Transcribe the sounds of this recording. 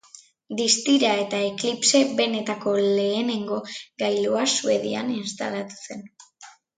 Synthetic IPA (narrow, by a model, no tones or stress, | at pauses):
d̪ist̪iɾae̞t̪aeklipse̞βe̞ne̞t̪ako̞le̞ːne̞ŋɡo̞ɡajluasue̞ð̞ia̰ninst̪a̰lat̪u̥se̞n